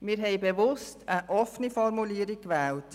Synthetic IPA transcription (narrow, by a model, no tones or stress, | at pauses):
mɪːɾɦɛɪbeʋʊstʰəʔɔfnifɔrmuliːəɾikʋɛːlt